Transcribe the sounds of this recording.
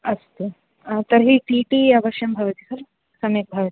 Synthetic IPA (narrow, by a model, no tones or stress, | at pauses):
ɐst̪e | t̪ɐɾɦiʈiːʈiɐʋɐʃjɐmbʱɐʋɐt̪isɐɾ | sɐmjɐk̚bʱɐʋɐt̪i̥